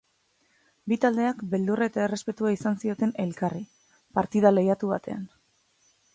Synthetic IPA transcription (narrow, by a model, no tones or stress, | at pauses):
bit̪ald̪e̞akbe̞ld̪uraet̪ae̞re̞spe̞t̪uaisansio̞t̪e̞ne̞lkari | paɾt̪iðalejat̪uβat̪e̞a̰n